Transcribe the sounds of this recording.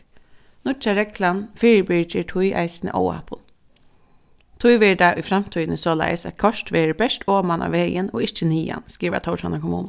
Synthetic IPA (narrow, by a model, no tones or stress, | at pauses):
nʊt͡ʃɑɾɛkʰlɑnfɪːɾəbiːt͡ʃəʈʰʊʏʔæ̰ɪsnə̰ʔo̰ʊæ̰pʰʊl | t̪ʰʊɪʋeɖæːʔiːfɾɑmt̪ʰyʏnəsoːlæ̰ɪsɑt̪̚kʰɑʃtʋeːɾbɛʃʈʰoːmɑnʔɑ̰ːʋeɪɡənoːɪçəniːɑ̰nskɾiːʋə̰t̪ʰɑʊʃɑnəkʰʊmṵːn